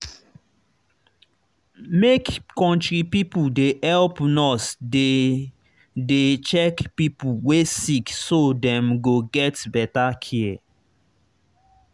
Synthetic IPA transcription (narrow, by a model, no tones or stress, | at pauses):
mekkɔ̃ntɹipipudehɛlpnɔsde | det͡ʃɛkpipuwesiksodɛ̃mɡoɡɛtbɛtakʰiɛ